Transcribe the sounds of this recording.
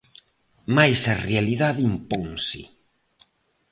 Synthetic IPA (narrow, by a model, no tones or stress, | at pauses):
majsarealiðaðimpoŋsḭ